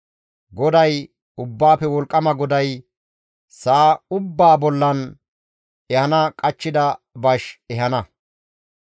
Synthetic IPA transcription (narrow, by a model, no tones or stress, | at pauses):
ɡɔd̪ɐj | ʊbːaːpːɛwɔlkʼːɐmɐɡɔd̪ɐj | saːʊbːaːbɔlːɐn | ɛhɐnɐkʼɐt͡ʃːɪd̪ɐ | bɐʃɛɦɐnɐ